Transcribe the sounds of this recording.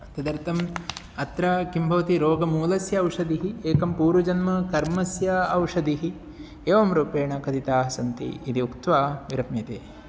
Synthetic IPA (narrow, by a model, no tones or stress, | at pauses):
t̪ɐd̪ɐɾt̪ʰɐm | ɐt̪ɾɐkimbʱɐʋɐt̪iɾoːɡɐmuːlɐsjɐːwʂɐd̪iɦieːkɐmpuːɾʋɐd͡ʒɐnmɐkɐɾmɐsjɐɐwʂɐd̪iɦi | eːʋɐmɾuːpeːɳɐkɐt̪it̪aːɦɐsɐnt̪ḭːd̪iukt̪ʋaːʋiɾɐmjɐt̪eː